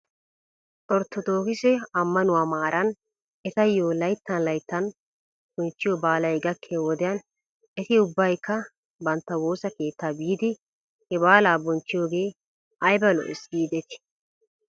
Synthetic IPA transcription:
ʔɔɾt̪ːɔd̪o̞ːkɪsɛɐmːɐnʊwaːmaːɾʔɐn | ɛt̪ɐjːoːlɐjt̪ːɐnlɐjt̪ːɐn | b̥ɔnt͡ʃːɪjobaːlɐjɡɐkʰːeːwɔd̪ɪjɐn | ɛt̪ɪʊbːɐjkːɐ | bɐnt̪ːɐwo̞ːsɐke̞ːt̪ːaːbiːd̪ɪ | hɛbaːlaːbɔnt͡ʃːɪjoːɡeː | ʔɐjbɐlɔ̰ʔɪsɡiːd̪ɛt̪ɪ̥

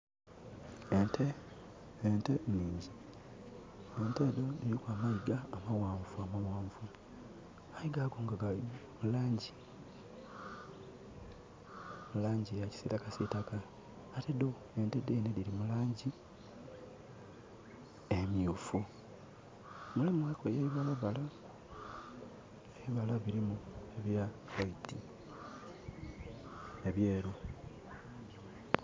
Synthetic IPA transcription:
ente | enteniːɲɟi | entedo̞niɾikwaːmaiɡaːmawaːɱvuamawaːɱvu | aiɡaːɡoːŋɡaɡaimulaːɲɟi | mulaːɲɟijaci̥siːtakasitakaː | tedo | endedenediɾimulaːɲɟi | emiufu | mulemuwekojeiβaloβala | eβiβalaβiɾimue̞βjawaiti | eβjeːɾo

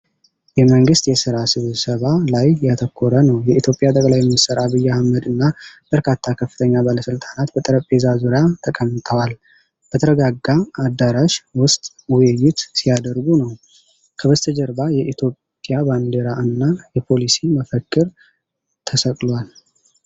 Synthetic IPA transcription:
jɛməŋɡɨst̪jɛsɨɾasɨβsəβalajjat̪ʰəkʰːoɾənəwjɛʔit̪ʰjo̞pʼːjat̪ʼəkʼlajɛmːisəɾaβɨjːahamːəd̪ɨnːab̥əɾkʰat̪ʰːakʰəfːɨ̥t̪ʰəɲːabaləsɨlt̪ʼanat̪bət̪ʼəɾəpʼezazuɾjat̪ʰəkʼəmːɨt̪ʼʰəwal | b̥ət̪ʰəɾəɡaɡːaad̪ːaɾaʃwʊst̪ʼ | wʊjjːɪt̪sijad̪əɾɡunəw | kʰəβəst̪ʰəd͡ʒəɾbajɛʔit̪ʰjo̞pʼːjaband̪eɾaɨnːajɛpʰo̞lisiməfəkʼːɨɾ | t̪ʰəsəkʼlwal

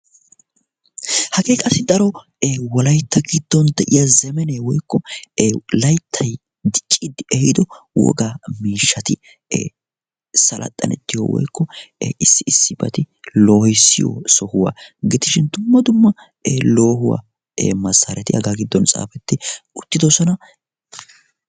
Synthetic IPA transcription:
hɐɡeːkʼɐsːɪd̪ɐɾɔ | ewɔlɐjt̪ːɐɡɪd̪ːɔnd̪ɛʔɪjɐzɛmɛnewɔjkːɔ | lɐjt̪ʰːɐj | d̪ɪt͡ʃʼːid̪ɪʔɛhɪd̪ɔwɔ̰ɡaːmiːʃːɐt̪ɪ̰ | sɐlʔɐ̰t̪ʼːɐ̰nɛ̰t̪ːɪjɔ̰wɔ̰jkːɔʔɪsːɪɪsːɪbɐ̰t̪ɪ | lo̞ːhɔsːɪjɔ̰sɔhʊwa̰ːɡɪd̪ɪʃɪnd̪ʊmːɐd̪ʊmːɐ | lo̞ːɦʊwa̰ː | emɐsːɐɾɛt̪ɪhɐ̰ɡaːɡɪd̪ːɔnt͡sʼa̰ːfɛt̪ːɪʊt̪ːɪd̪ɔsɔnɐ

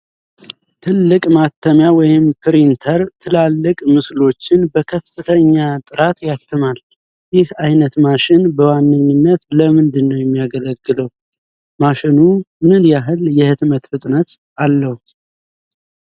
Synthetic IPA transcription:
t̪ʰɨlːɨkʼmat̪ʰːəmjawɔjɪmpʰɨɾint̪ʰəɾt̪ʰɨlalːɨkʼmɨslo̞t͡ʃːɪnbəkʰəfːɨt̪ʰəɲːat̪ʼɨɾat̪jat̪ːɨmal | jɪhajnət̪maʃɪnbəwanːɨɲːɨnːət̪ləmɨnd̪ɨnːəwjɛmːijaɡələɡːɨləw | maʃɪnumɨnjaɦɨljɛhɨt̪mət̪fɨt̪ʼnət̪ | alːəhu

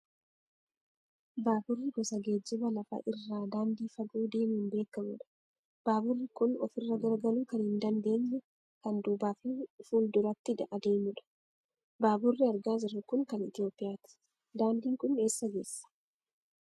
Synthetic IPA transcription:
baːbʊrːɪɡɔsɐɡeːd͡ʒːʊbɐlɐfɐ̰ʔɪrːaːd̪aːnd̪iːfɐɡuːd̪e̞ːmhɪmbe̞ːkːɐmʊᶑɐ̥ | b̥aːbʊrːɪkʊnɔ̰fɪrːɐɡɐɾɡɐluːkɐnhɪnd̪ɐnd̪e̞ːɲːɛ | kɐnd̪uːbaːfifuːld̪ʊɾɐt̪ːɪd̪ɐ̰ʔɐd̪e̞ːmʊᶑɐ̥ | baːbʊrːɪɐɾɡaːs̬ɪrːɐkʊŋkɐnɪt̪ɪjo̞ːpːɪjaːt̪ɪ̥ | d̪aːnd̪iːŋkʊne̞ːsːɐɡe̞ːsːɐ̥

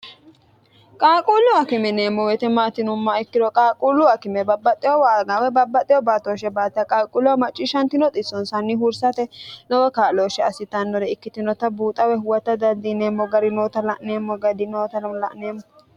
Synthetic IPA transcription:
kʼaːkʼuːlʊɐkɪmɛneːmːɔwɛt̪ɛmaːt̪ɪnʊmːaɪkːɪd̪ɔkʼaːkʼulːʊɐkɪmɛbɐbːɐt̪ʼːɪjɔwaːɡawɛbɐbːɐt̪ʼːɪjɔbaːt̪oːʃɛbaːt̪ɪɐkʼaːkʼʊlʊwɐmɐt͡ʃʼːɪʃɐnt̪ɪnɔt̪ʼɪsːɔnsɐnːɪɦʊɾsɐt̪ɛnɔwɔkaːloːʃɛɐsɪt̪ɐnːɔɾɛɪkːɪt̪ɪnɔt̪ɐbuːt̪ʼɐwɛhʊwɐt̪ːɐd̪ɐnd̪ineːmːɔɡɐɾɪnoːt̪ɐlɐʔneːmːɔɡɐd̪ɪnoːt̪ɐlɐʔneːmːɔ

